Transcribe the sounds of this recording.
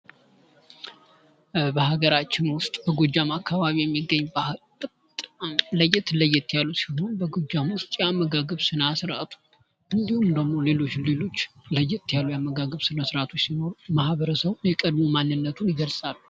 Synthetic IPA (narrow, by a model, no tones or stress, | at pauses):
bəhaɡəɾat͡ʃːɪnwʊst̪ʼb̥əɡod͡ʒːamakʰːaβaβijɛmːiɡːəɲːbʼ | ləjːɪt̪ləjːɪt̪ːjalːusi̥ɦo̞nbəɡod͡ʒːamwʊst̪ʼjamːəɡaɡəβsɨnasɨɾʔat̪ʰu̥ | ʔɨnd̪ihumd̪əɡmo̞le̞lo̞t͡ʃːlelo̞t͡ʃːləjːɪt̪ːjalːujamːəɡaɡəβsɨnasɨɾat̪ʰot͡ʃːsino̞ɾumahβəɾəsəβjɛkʼəd̪mumanːɨnːət̪ʰunɪɡəlsʼalːu